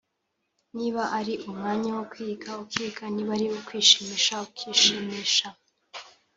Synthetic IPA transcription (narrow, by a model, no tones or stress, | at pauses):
niːβaʔaɾiʔumŋaːɲawokwikaukwiːkʰaniβaɾiwokwiːʃimiːʃaukwiːʃimiːʃa